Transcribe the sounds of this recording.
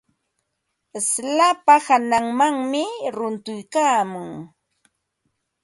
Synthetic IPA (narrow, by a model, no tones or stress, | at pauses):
ɪslapahanaŋmaŋmɪɾʊnt̪ʊjkaːmʊŋ